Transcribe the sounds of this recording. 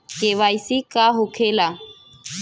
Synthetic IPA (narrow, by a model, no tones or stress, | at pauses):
keʋaːjsikaːɦokʰeːla